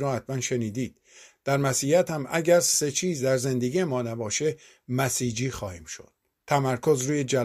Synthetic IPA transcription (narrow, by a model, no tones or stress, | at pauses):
ɾɔːhæt̪̚ʰmænʃe̞niːd̪iːd̪̥̚ | d̪̥æɾmæsiːjæt̪hæmæɟæɾse̞t͡ʃʰiːzd̪æɾze̞nd̪eɡijemɒːnæbɒːʃe | mæsiːd͡ʒiːxɒːhiːmʃo̰d̪̥̚ | t̪ʰæmæɾkʰo̞zɾuːjed͡ʒæl